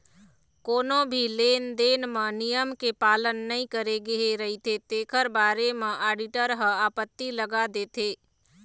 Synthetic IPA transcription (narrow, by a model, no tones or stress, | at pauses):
koːnõbʱileːnd̪eːnmãnijəmkepaːlənːɐɦĩkəɾeɡɐeɾɐɦit̪ʰet̪eːkʰəɾbaːɾemẽʔaːɖɪʈəɾɦəaːpət̪ːiləɡad̪eːt̪ʰeː